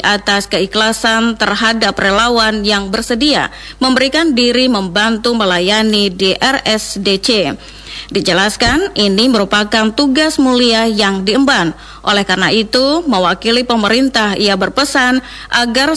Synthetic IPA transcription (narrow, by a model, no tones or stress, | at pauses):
ʔat̪askəiklasant̪ərɦadaprelawanjaŋbərsədia̰ | məmbəɾikandiɾiməmbant̪uməlajanidiʔɛrɛsdet͡ʃe | did͡ʒəlaskanʔiniməɾupakant̪uɡasmuliahjaŋdiəmban | ʔolɛhkarnaʔit̪uməwakilipəməɾint̪ahiabərpəsan | ʔaɡar